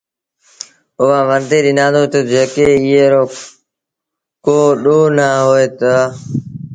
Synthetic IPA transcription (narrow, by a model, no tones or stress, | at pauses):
ʊʋãːʋənd̪eːɗɪnãːnd̪oːt̪əd͡ʒeːkeːɪɦeːɾoː | koːɗoːnaːɦoːeːt̪aː